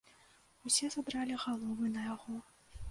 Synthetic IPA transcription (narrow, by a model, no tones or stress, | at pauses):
usʲɛsabɾalʲiɣalˠɔvɨnɐjaɣɔ